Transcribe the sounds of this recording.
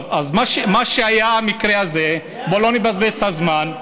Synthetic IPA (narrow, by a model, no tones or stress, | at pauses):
azmaʃemaʃeajaamikʁeaze | bolonibazbesazman